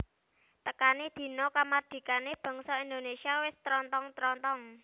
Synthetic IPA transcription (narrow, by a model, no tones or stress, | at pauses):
t̪əkanid̪̥i̤nɔkamard̪̥i̤kaneb̥ɔ̤ŋsɔind̪onesiawɪst̪ɾɔnt̪ɔŋt̪ɾɔnt̪ɔŋ